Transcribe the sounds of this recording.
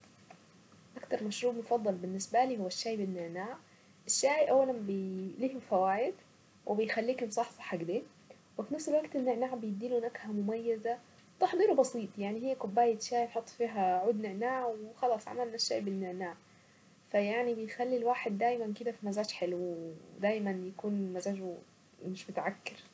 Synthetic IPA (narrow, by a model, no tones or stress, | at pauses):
ʔakt̪ɑɾˤmaʃɾuːbmʊfɑd̪ˤːɑlbɪnːɪsbæliːhʊwːaʃːaːjbɪnːɪʕnaːʕ | ʔɪʃːaːjʔawːælænbɪliːhʊfæwaːjɪd̪ | wʔɪbɪjxælːiːkʊnsˤɑħsɑ̥ħaɡb̪eː | wɪfinafselwaɡ̚t̪ɪnːɪʕnaːʕbɪjɪd̪ːiːlunækhæmʊmajːaza | t̪ɑħd̪ˤiːɾbɑsˤiːt̪ˤjaʕniɦejːækobːæːjet̪ʃaːjħot̪ˤːfiːɦæʕuːd̪neʕnaːʕwexɑlɑːsˤʕa̰mælnæʃːaːʔbɪnːeʕnaːʕ | fæjaʕnibejxælːilwaːħed̪ːæːjmænked̪æfimæzaːʃħelwd̪æːjmænjækuːnmæzæːʒ | meʃmot̪aʕakːɪɾ